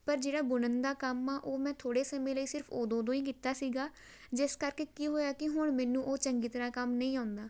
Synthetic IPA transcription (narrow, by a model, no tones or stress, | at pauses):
pəɾd͡ʒeːɽaːbʊnənd̪aːkəmaːʔoːmɛ̃ːt̪ʰoːɽeːsəmẽːləiːsɪɾpʰoːd̪õːd̪õːĩːk̬iːt̪aːsiːɡaː | d͡ʒɪskəɾkeːkiːɦoːjaːkɪɦʊɳmɛːnũːʔoːt͡ʃəŋɡiːt̪əɾaːkəmnəĩːaːnd̪aː